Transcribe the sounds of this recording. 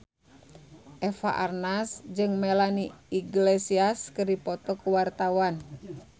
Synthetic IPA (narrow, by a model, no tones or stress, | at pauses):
ʔɛfa̰ʔarnasd͡ʒɨŋmɛlaniiɡlɛsiaskɨrdipɔt̪ɔkuwart̪awan